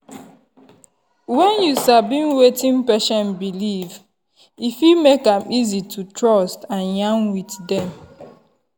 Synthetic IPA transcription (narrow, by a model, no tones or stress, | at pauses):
wɛ̃njusabĩnwetĩnpɛʃɔ̃nbiliv | ifumekãmizitʰutɹɔstãnjãnwitdɛ̃m